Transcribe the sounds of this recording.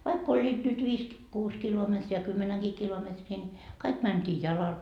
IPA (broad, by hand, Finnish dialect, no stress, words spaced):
ʋɑik olʲːiːt nyt ʋiːs ki kuːs kilometri jɑ kymːenæŋɡ̊iː kilometriː nʲi kɑik mæntʲiː jɑlɑl